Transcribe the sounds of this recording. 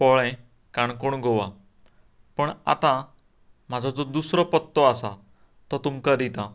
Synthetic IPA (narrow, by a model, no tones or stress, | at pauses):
pɔɭɛ̃ | kaɳkoɳɡʱoʋa | pəɳa̰t̪ã | m̤ad͡zʱɔd͡zɔd̪usɾɔpɔt̪ːɔasa | t̪ɔt̪umkad̪it̪ã